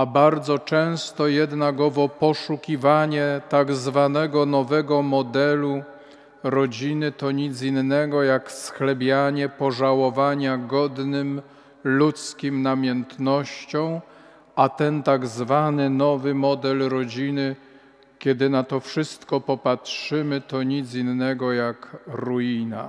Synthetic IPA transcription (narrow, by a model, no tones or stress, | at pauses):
abaɾd̪zɔt͡ʂɛ̃w̃st̪ɔjɛd̪naɡɔvɔpɔʂukʲivaɲɛt̪aɡzvanɛɡɔnɔvɛɡɔmɔd̪ɛlu | ɾɔd͡ʑinɘt̪ɔɲit̪zinːɛɡɔjaksxlɛbʲjaɲɛpɔʐawɔvaɲaɡɔd̪nɘm | lut̪skʲimnamʲjɛnt̪nɔɕt͡ɕɔ̃w̃ | at̪ɛnt̪aɡzvanɘnɔvɘmɔd̪ɛlɾɔd͡ʑinɘ | kʲɛd̪ɘnat̪ɔfʂɘst̪kɔpɔpatʂɘmɘt̪ɔɲid̪zinːɛɡɔjakɾujina̰